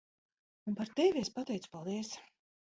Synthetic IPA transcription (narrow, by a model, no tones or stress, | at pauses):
unpaɾt̪evʲiespat̪ɛjt̪su̥palˠd̪iɛs